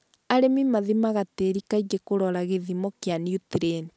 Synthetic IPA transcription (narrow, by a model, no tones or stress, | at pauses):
aɾemimaðimaɣateɾikaid͡ʒekoɾɔɾaɣeðimɔkjanutiɾen